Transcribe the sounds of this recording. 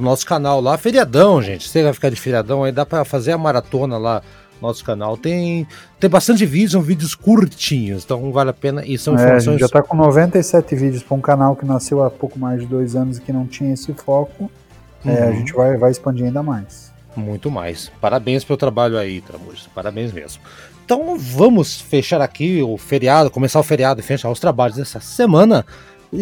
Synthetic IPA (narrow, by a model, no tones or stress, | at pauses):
ʊnɔsʊ̥kanawlafeɾiad̪ɐ̃w̃ʒẽt͡ʃɪ̥sevajfi̥kaɾd͡ʒɪfeɾiad̪ɐ̃w̃aid̪apɾɐfazeɾɐmaɾat̪õnɐla | ʊnɔsʊ̥kanawt̪ẽj̃t̪ẽj̃bast̪ɐ̃nt͡ʃɪvid͡ʒʊsɐ̃w̃vid͡ʒɪʊskuɾt͡ʃĩɲʊsẽt̪ɐ̃w̃valɪapẽnɐʔɪsɐ̃w̃ĩfɛɾmɐʒseõj̃t͡ʃɪʒat̪akõnovẽnt̪ɐisɛt̪ɪvid͡ʒɪʊspɾɐɾũkanawkɪnasewapowkʊmajzd͡ʒɪd̪ojzɐ̃nʊzɪkɪnɐ̃w̃t͡ʃĩɲɐesɪfɔkʊ | ɛaʒẽnt͡ʃɪvajvajɪspɐ̃nd͡ʒiɾaĩnd̪ɐmajs | mũj̃t̪ʊma̰jspaɾabẽj̃spelʊt̪ɾabaʎʊait̪ɾa̰mṵsɐ̥paɾabẽj̃smḛzmʊ | ẽt̪ɐ̃w̃vɐ̃mʊsfeʃaɾakiʊfeɾiad̪ʊkõmesaɾʊfeɾiad̪ʊɪfeʃaɾʊst̪ɾabaʎʊzd̪ɛsɐsemɐ̃nɐ